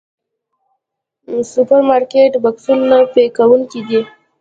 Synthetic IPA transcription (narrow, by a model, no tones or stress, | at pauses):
supaɾmaɾkeʈbaksunnapekawʊŋkʲid̪e